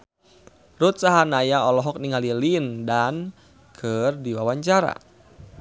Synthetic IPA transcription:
rut̪̚saɦanajaɔlɔɦɔk̚niŋalilindan | kʰɨrdiwawaɲt͡ʃaɾa̰

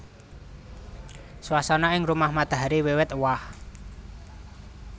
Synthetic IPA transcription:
swasɔnɔɪŋrumahmad̪̥a̤ɦaɾiwiwɪt̪wah

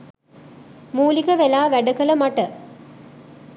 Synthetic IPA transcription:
muːlikəʋelaːʋæɖəkələmaʈə

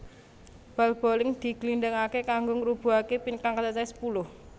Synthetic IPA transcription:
b̥a̤lb̥o̤lɪŋd̪̥i̤ɡliɳɖəŋakekaŋɡoŋɾub̥ṳakepinkaŋkasat͡ʃasə̥pulʊh

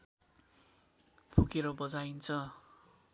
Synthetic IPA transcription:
pʰukeɾʌbʌd͡zaint͡sʰʌ

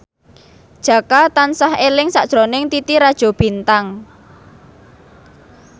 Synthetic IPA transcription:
d̥ʒ̥ä̤kat̪ansahelɪŋsaʔd̥ʒ̥ɾonɪŋt̪it̪iɾad̥ʒ̥o̤b̥i̤nt̪aŋ

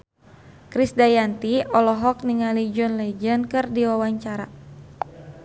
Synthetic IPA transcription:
kɾisdajant̪iɔlɔɦɔk̚niŋalid͡ʒɔnlɛd͡ʒənkɨrdiwawaɲt͡ʃaɾa̰

